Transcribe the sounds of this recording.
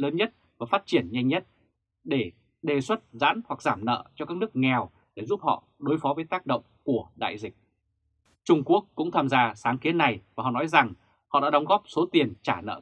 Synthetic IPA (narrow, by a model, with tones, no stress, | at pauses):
ləː˨˦nɲə˦˥t̚ | vaː˨˩faː˦˥t̚t͡ɕi˧˩ənɲa˧jŋɲə˦˥t̚ | ɗe˧˩ | ɗe˨˩swə˦˥t̚za̰ː˧˥nhwa˨˩k̚zaː˧˩mnə̰ː˧˨t͡ɕɔ˧kaː˦˥k̚nɨ˦˥ək̚ŋɛ˨˩w | ɗe˧˩zu˦˥p̚hɔ̰˧˨ | ɗo˨˦jfɔ˨˦vəː˨˦jt̪aː˦˥k̚ɗə̰˧˨wŋ͡mku˧˩əɗa̰ː˧˨jzï˨˩k̚ | t͡ɕʊ˧ŋ͡mku˦˥ək̚ːʊ̰˧˥ŋ͡mt̪ʰaː˧mzaː˧saː˨˦ŋki˨˦ənːa˨˩jvaː˨˩hɔ̰˨nɔ˨˦jza˨˩ŋ | hɔ̰˧˨ɗa̰ː˧˥ɗɔ˨˦wŋ͡mɣɔ˦˥p̚so˨˦t̪i˨˩ənt͡ɕaː˧˩nə̰ː˧˨